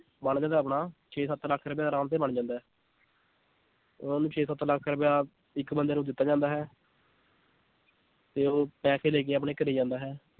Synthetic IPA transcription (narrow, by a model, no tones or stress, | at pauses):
bəɳd͡ʒãːnd̪aːpɳaːt͡ʃʰeːsət̪ːləkʰːɾəpjaːd̪aːɾaːmt̪eːbəɳd͡ʒãːnd̪aːɦɛː | ʊnãːnũːt͡ʃʰeːsət̪ːləkʰɾəpjaː | ɪkbənd̪eːnũːd̪ɪt̪ːaːd͡ʒãːnd̪aːɦɛː | t̪eːoːpɛːseːleːk̬eːaːpɳeːkəɾeiːd͡ʒãːnd̪aːɦɛː